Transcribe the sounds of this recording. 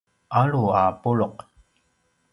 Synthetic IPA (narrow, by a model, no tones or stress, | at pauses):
aɻuaːpuɻoq